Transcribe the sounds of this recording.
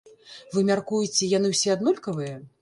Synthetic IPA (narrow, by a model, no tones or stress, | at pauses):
vɨmʲarkujit͡sʲɛjanɨwsʲɛad̪nulʲkɐvɨjɐ